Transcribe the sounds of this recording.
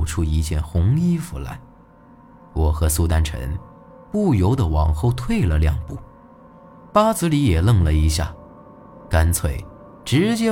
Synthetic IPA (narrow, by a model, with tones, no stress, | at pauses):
ʊʈ͡ʂʰu˥i˧˥t͡ɕjɛ˥˩nxʊ˧˥ŋi˥fu˧˥la̰˧˥ɪ | wɔ˨˩xɤ˧˥su˥˧t̪a˥nʈ͡ʂʰə̰˧˥n | pu˥˩jo˧˥ʊd̪ə˨wɑ˨˩ŋxo˥˧ʊt̪ʰwe˥˧ɪlə˨ljɑ̰˥˧ŋpu˥˩ | pa˥t͡sɹ̩˧˥li˧˥jɛ˨˩lɤ˥˧˩ŋlə˩i˧˥ɕja̰˥˩ | ka˥nt͡sʰwe˥˩ɪ | ʈ͡ʂɻ̩˧˥t͡ɕjɛ˥